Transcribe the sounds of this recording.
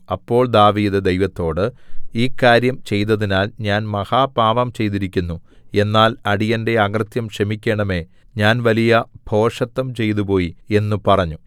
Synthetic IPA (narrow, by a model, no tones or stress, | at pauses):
ɐpːo̞ːɭd̪aːʋiːðɨd̪ejʋɐt̪ːo̞ːɽɨiːkːaːɾjɐmt͡ɕe̞jt̪ːɐðinaːlɲaːnmɐhaːpaːʋɐmt͡ɕe̞jt̪iɾikʲːunːu | e̞nːaːlɐɽijɐnde̞ɐɡrɨt̪jɐmkʂɐmikʲːe̞ːɳɐme̞ | ɲaːnʋɐlijɐb̥ʱo̞ːʂɐt̪ːɐmt͡ɕe̞jt̪̬upo̞ːjie̞nːupɐrɐɲːu